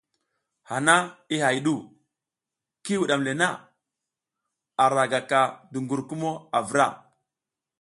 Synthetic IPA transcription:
ha˨na˦i˦ha˨jɗu˦˨ | ki˦wu˨ɗa˨mle˨na˦˨ | a˨ɾa˨ɡa˨ka˨du˨ŋɡu˨ɾku˦mo˦a˨və˦ɾa̰˦˨

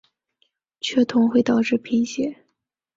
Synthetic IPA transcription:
t͡ɕʰɥɛ˥˩t̪ʰʊ˧˥ŋxwe˥˩ɪt̪ɑ˨˩ʊʈ͡ʂɻ̩˥˩pʰi˧˥ŋɕjɛ˧˥˦

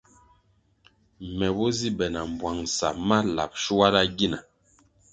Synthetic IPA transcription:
mɛ˨bɔ˦zi˦bɛ˨na˨m˨bwa˨ŋsa˨ma˦la̰˨p̚ʃu˦wa˦la˦ɡi˦na˨

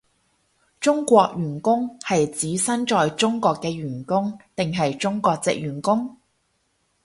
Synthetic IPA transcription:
t͡ʃʊ˥ŋkʷɔː˧k̚jyː˨˩nkʊ˥ŋhɐ˨jt͡siː˨˥sɐ˥nt͡ʃɔː˨jt͡sʊ˥ŋkʷɔː˧kːɛː˧ɥyː˨˩nkʊ˥ŋt̪ɪ˨ŋɦɐ˨jt͡sʊ˥ŋkʷɔː˧k̚t͡sɪ̰˨k̚jyː˨˩nkʊ˥ŋ

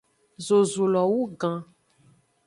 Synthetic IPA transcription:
zo˨zu˨lɔ˨wu˦ɡã˨

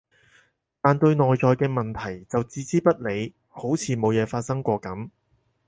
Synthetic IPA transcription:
t̪aː˨nt̪ɵ˧ɥnɔː˨jt͡ʃɔː˨jkɛː˧mɐ˨nt̪ʰɐ˨˩jt͡sɐ˨wt͡siː˨˥t͡siː˥pɐ˥t̚le˨˧j | ho˨˥wt͡sʰiː˨˧mo˨˧wjɛː˨˧faː˧t̚sɐ˥ŋkʷɔː˧kɐ˨˥m

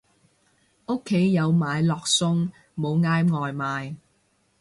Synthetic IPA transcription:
ʊ˥kʰːe˨˥jːɐ˨˧wmaː˨˧jlɔː˨k̚sʊ˥ŋ | mo˨˧wŋaː˥jŋɔː˨jmaː˨˧j

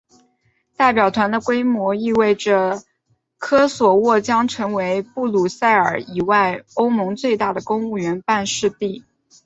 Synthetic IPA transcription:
t̪a˥˩ɪp̬jɑ˨˩ʊt̪ʰwa˧˥nd̪ə˧kwe˥ɪmwɔ˧˥i˥˧we˥˩ɪʈ͡ʂə˩ | kʰɤ˥swɔ˨˩wɔ˥˩t͡ɕjɑ˥ŋʈ͡ʂʰɤ˧˥ŋwe˧˥ɪpu˥˩lu˨˩sa˥˩ɪə˞˨˩˥i˨˩wa˥˩ɪo˥ʊmɤ˧˥ŋt͡swe˥˧ɪt̪a˥˩d̪ə˩kʊ˥ŋu˥˩ɥɛ˧˥npa˥˧nʂɻ̩˥˧t̪i˥˩

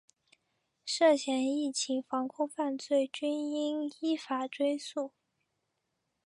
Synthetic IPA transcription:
ʂɤ˥˩ɕjɛ˧˥ni˥˩t͡ɕʰi˧˥ŋfɑ˧˥ŋkʰʊ˥ŋfa˥˧nt͡swe˥˩ɪt͡ɕy˥ni˥ni˥fa˨˩ʈ͡ʂwe˥ɪsu˥˩

